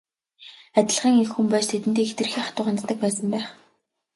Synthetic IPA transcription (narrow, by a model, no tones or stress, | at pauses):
æt̪ʲɪ̆ɮʁiːŋexxumpæːst̪ʰet̪ɘ̆nt̪eːxt̪ɘ̆rxiːχat̪ʊːʁant̪t̪ːə̆k̚pæːsə̆mpæːχ